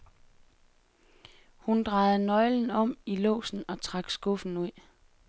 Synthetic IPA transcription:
hund̥ʁɑ̈ɪð̩ˠnɒ̽ɪln̩ɒ̽m̰ilɔ̰ːsn̩ɒ̽t͡sʰʁɑ̈ɡ̥sɡ̥ɔ̽fn̩uð̰

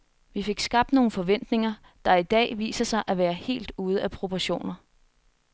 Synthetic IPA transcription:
ʋife̝ɡ̥sɡ̥ɑ̈b̥̚d̥no̝ːn̩fɒ̽ʋen̰d̥ne̝ŋɐ | d̥ɑ̈id̥ɛ̰ːʋḭːsɐsɑ̈ɪʔæʋæːɐhe̝̰ːld̥uːð̞̩ˠæpʰʁo̝pʰɒɕo̝̰ːnɐ

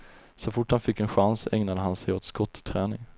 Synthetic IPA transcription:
sɔfʊʈhanfɪkːɛnɧansɛŋnad̪əɦansɛjoːt̪skɔt̪ːt̪ʰːɾæːnɪŋ

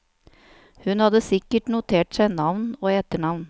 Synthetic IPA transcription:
hʉnhɑd̪əsɪkːəʈnʊt̪ʰeːʈsæɪnɑʋnoːɛːt̪əɳɑʋn

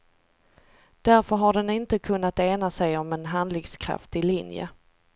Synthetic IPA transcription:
d̪̥æɾfœɾɦaɖɛnɪnt̪əkʰɵnːat̪eːnasɛjɔmɛnɦand̪lɪɡskʰɾa̰ft̪ɪlɪnjə̰

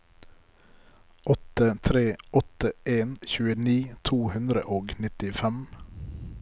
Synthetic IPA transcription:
ʔɔt̪ət̪ʰɾeːɔt̪əʔeːnçʉːəniːt̪ʰuːhʉnd̪ɾə̰ʔoːɡnɪt̪ɪfɛm

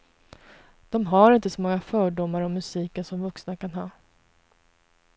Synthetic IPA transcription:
d̪̥ɔmɦaɾɪnt̪əsɔmɔŋːafœːɖʊmːaɾɔmːɵsiːkənsɔmvɵksnakanɦɑː

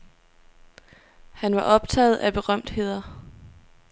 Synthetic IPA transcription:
hænʋɑ̈ʔɒ̽b̥̚t͡sʰɛ̰ːð̩ˠæb̥e̝ʁɶm̰d̥he̝ð̰ˠɐ

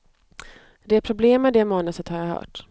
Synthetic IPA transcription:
d̪ɛæɾpʰɾʊbleːmːɛd̪ɛmɑːnəsət̪haɾjaɦœ̰ːʈ

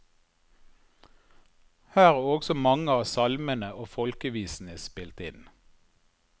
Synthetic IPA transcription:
hæːʁːɔɡsɔmɑŋəɑːsɑlmənəʔoːfɔlkəʋiːsn̩əspɪlt̪ɪn

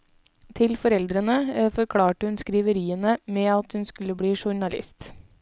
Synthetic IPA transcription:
t̪ʰɪlfɔɾɛld̪ɾənəfɔɾkʰɽɑːʈəhʉnskɾiːʋəɾiːənəmeːɑt̪hʉnskʉləbɽiːʃʊɳɑlɪ̰st̪

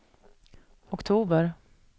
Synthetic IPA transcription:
ɔkt̪ʰuːbəɾ

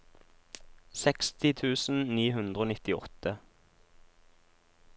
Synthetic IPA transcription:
sɛkst̪ɪt̪ʰʉːsn̩niːɦʉnd̪ʁəoːnɪt̪ɪɔ̰t̪ə

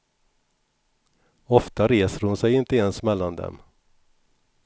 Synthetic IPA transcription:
ɔft̪aɾeːsəɾhʊnsɛjɪnt̪əɛnsmɛlːand̪ɛ̰m

